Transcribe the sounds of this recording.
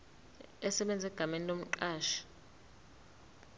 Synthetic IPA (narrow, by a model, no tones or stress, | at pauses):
ɛsɛɓɛnd͡zʱɛɡ̥ʱamenilom̩ǃaːʃḁ